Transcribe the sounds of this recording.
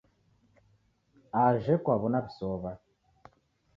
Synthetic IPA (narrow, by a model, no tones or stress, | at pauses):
aʒekwaβonaβisoβa